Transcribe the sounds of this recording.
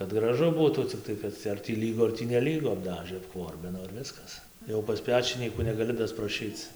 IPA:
kɐt ɡrɐˈʒʊ ˈbuːtuː t͡sʲɪkˈtɐɪ kɐt ɐr tʲiː ˈlʲiːɡʊ ɐr tʲiː nʲɛˈlʲiːɡʊ ɐbˈdɑːʒɘ ɐpˈkʋoːrʲbʲɪnoː ɪr ˈʋʲɪskɐs jɛʊ pɐs ˈpʲæːt͡ʃʲɪnʲiːkuː nʲɛɡɐˈlʲɪ dɐsprɐˈʃʲiːt͡s

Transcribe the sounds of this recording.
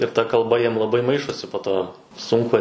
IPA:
ɪr tɐ kɐlˠˈbɐ ˈjiɛm lˠɐˈbɐɪ ˈmɐɪʃoːsʲɪ poː ˈtoː ˈsʊŋkʊ

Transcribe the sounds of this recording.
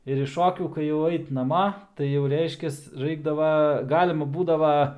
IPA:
ɪr ɪʃ ˈʃoːkʲuː kɐɪ jɛʊ ˈɐɪt nɐˈmɐ tɐɪ jɛʊ ˈrʲɛɪʃʲkʲɛs ˈrɐɪɡdɐʋɐ ˈɡɑːlʲɪmɐ ˈbuːdɐʋɐ

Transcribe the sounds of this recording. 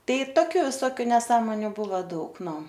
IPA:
ˈtɐɪ ˈtoːkʲʊ ʋʲɪˈsoːkʲʊ nʲɛˈsɑːmoːnʲʊ ˈbuːʋɐ ˈdɐʊk ˈnʊ

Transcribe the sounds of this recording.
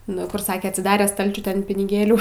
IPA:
ˈnʊ kʊr ˈsɑːkʲɛ ɐtʲsʲɪˈdɑːrʲɛ ˈstɐlʲt͡ʃʲʊ ˈtʲɛn pʲɪnʲɪˈɡʲeːlʲuː

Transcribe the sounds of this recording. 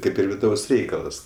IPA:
ˈkɐɪp ɪr ʋʲɪˈdɐʊs ˈrʲɛɪkɐlˠɐs

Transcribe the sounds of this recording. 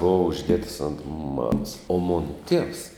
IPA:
ˈboːʋɐ ʊʒʲˈdʲiɛtɐs oːnt ˈmɑːmɐs oː ˈmoːnɐ ˈtʲiɛws

